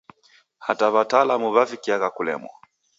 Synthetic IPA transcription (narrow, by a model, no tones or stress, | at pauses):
hataβataːlamuβavikiaɣakulɛ̰mwɔ̰